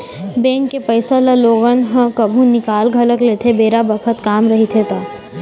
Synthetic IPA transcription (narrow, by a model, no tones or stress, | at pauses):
bẽːŋkːepəɪsalaloːɣənɦə̃kɐbʱũnɪkaːlɡʱɐləklet̪ʰebeːɾabəkʰət̪kaːmɾɐɦit̪ʰet̪aː